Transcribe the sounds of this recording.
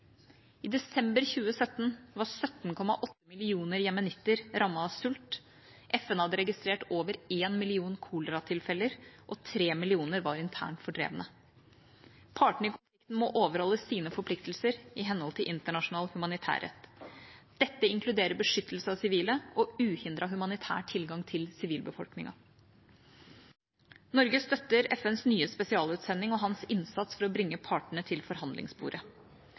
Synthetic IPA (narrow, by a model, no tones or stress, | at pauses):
ɪd̪ɛsɛmbəɾçʉːəsœt̪ːnʋɑsœt̪n̩kʰɔmɑ̰ʔɔt̪ːəmɪlɪuːnəɾjɛmɛnɪt̪ːəɾɾɑmːɑɑsʉlt̪ | ʔɛfɛnhɑd̪ːəɾɛɡɪst̪ɾeːʈoːʋəɾeːnmɪlɪuːnkʰuːləɾɑt̪ʰɪlfɛləɾʔɔt̪ʰɾeːmɪlɪuːnəɾʋɑɾɪnt̪ʰæ̰ːɳʈfɔɖɾḛːʋənə | pʰɑːʈɳ̩ɪkʰʊnfɪkt̪n̩mɔʔoːʋəɾhɔlːəsiːnəfɔɾpʰlɪkt̪lsəɾɪɦɛnhɔlt̪ʰɪlʔɪnt̪əɳɑʂʊnɑːlhʉmɑnɪt̪ʰæ̰ːɾɛ̰t̪ː | d̪̥ɛt̪ːəɪŋkʰlʉd̪eːɾəɾbəʂʏt̪ːəl̩səɑʋsɪʋiːləɔʉːhɪnd̪ɾɑɦʉmɑnɪt̪ʰæ̰ːʈʰɪlɡɑŋt̪ʰɪlsɪʋiːlbəfɔ̰lknɪ̰ŋɑ̰ | nɔɾɡəst̪œt̪ːəɾɛfɛnsnyːəspɛsɪɑːlʉːt̪sɛnːɪŋɔɦɑnsɪnsɑt̪sfɔɾɔbɾɪŋːəpʰɑːʈəɳət̪ʰɪlfɔɾhɑnd̪lɪ̰ŋsbṵːɾʔə